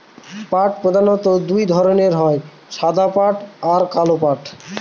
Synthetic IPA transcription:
paʈpɾod̪ʱanot̪od̪ujd̪ʱɔɾoneɾɦɔe | ʃad̪ʱapaʈaɾkalopaʈ

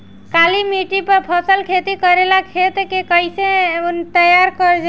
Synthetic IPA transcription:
kalimiʈipəɾpʰəsəlkʰet̪ikəɾelakʰet̪kekəisent̪əjaɾkəɾd͡ʒ

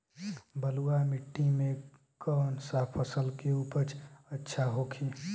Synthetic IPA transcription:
bəluamɪʈːimẽ | kɔːnsaːpʰəsəlkeuːpəɾt͡ʃətːʃʰaɦokʰi

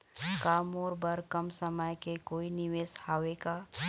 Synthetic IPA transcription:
kaːmoːɾbɐɾkɐmsəməjkekoːinɪʋeːshaːʋeːkaː

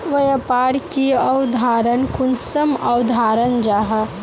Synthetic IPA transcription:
ʋɐjɐpaːɽkiɐwd̪ʱaːɾənkʊnsɐmɐwd̪ʱaːɾənd͡ʒaːɦɐ

